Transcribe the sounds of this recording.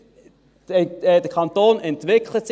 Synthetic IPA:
d̥əkʰɑnt̪oːnɛntʋɪkʰləts

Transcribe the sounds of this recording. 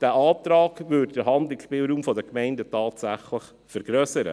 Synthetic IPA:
d̥æːʔɑːtɾɑːɡ̥vʏdd̥əɦɑndlɪkʃpiːlɾuːmfɔdəkmɛɪndətɑːtsæχləχ | fɛɾɡ̥ɾœsəɾə̰

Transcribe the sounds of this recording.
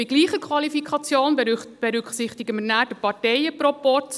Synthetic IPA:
ɪɡliːχəkʰʋɑlifikʰɑt͡sjoːnb̥ɛɾʏkχsɪχtɪiɡəmənæːdəpɑɾtɛɪəpɾɔpɔt

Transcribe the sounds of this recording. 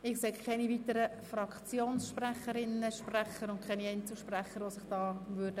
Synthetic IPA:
ɪksekkʰɛnivit̪əɾə | fɾɑkt͡sjoːnsʃpræχəɾɪnəʃpræχəɾʊnkʰɛniɛɪnt͡suʃpræχəɾʋosɪχd̥ɑːʋʏd̥ə

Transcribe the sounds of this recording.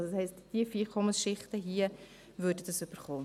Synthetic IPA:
shɛɪstd̥iəfikʰɔməsʃɪχtəɦiːə | vøːɾdədəsʏb̥əɾχoː

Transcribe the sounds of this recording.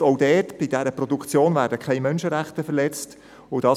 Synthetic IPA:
ɔʊdɛːtb̥ɪd̥æɾəprɔdukt͡sjoːnvæːɾdəkʰɛɪmœnʃəɾæχt̪əfəɾlɛt͡st | odɑː

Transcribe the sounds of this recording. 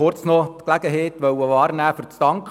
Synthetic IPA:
ʊɾt͡snɔt̪klæɡəɦeːt̪ʋœwəʋɑːɾnæːfʏɾt͡st̪ɑŋk

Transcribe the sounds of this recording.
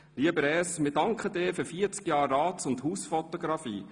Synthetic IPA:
liəbəɾɛsmɪːdɑŋkχədɪːɾfyɾfiːəɾt͡skjɑːrːɑːt͡sʊnthuːsfɔtoɡ̥ɾɑfiː

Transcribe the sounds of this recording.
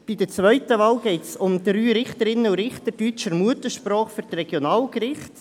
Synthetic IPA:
b̥idət͡sʋœʏtəʋɑːlɡɛɪtsʊmd̥ɾyːɾɪχtəɾɪnːəuɾɪχtəɾd̥yt͡ʃəmuətəʃpɾɔːχfyɾtrɛɡ̥jonɑːlkrɪχt

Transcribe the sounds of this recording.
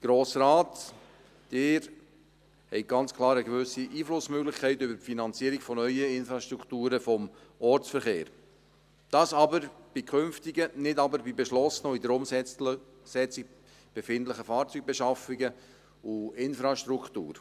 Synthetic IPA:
ɡ̥ɾoːsɾɑːt̪ | d̥ɪːɾ | hɛɪɡ̥ɑnt͡skʰlɑːɾəɡʋʏsiʔiːflʊsmøɡlɪχkʰɛɪt̪ʏbəɾpfinɑnt͡siːəɾiɡfɔnœʏəɪnfɾɑʃtɾukχt̪uːɾəfɔmɔɾt͡sfəɾχeːɾ | d̥ɑːsɑbəɾb̥ikʰχɵnftiɡənɪdɑbəɾbibɛʃlɔsənoidəɾʊmsɛ | sɛt͡sɪk | b̥efɪnt̪ləχəfɑːɾt͡syɡ̚bɛʃɑfiɡə | uɪnfɾɑʃt̪ɾukʰt̪ṵːɾ

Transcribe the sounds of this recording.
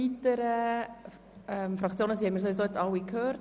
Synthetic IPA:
itəɾə | ɛmfɾɑkt͡sjoːnəsiːhɛmiːɾsoʋizoːet͡sɑwikʰhøːɾt

